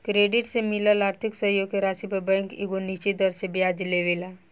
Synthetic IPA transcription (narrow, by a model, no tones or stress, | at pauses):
kɾeɖɪʈsemɪləlaːɾt̪ʰɪksəɦjoɡ̚keɾasibəbɛ̃ŋkiɡonit͡ʃed̪əɾsebjad͡ʒleʋela